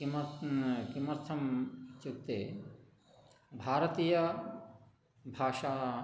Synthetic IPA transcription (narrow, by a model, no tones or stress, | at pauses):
im | kimɐɾt̪ʰɐmt͡ʃukt̪eː | bʱaːɾɐt̪iːjɐ | bʱaːʃaː